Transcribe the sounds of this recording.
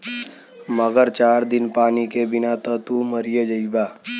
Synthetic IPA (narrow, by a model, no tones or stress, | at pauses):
məɡəɾt͡ʃaːɾd̪ɪnpaːnikebɪnat̪ət̪uməɾɪjəd͡ʒəibaː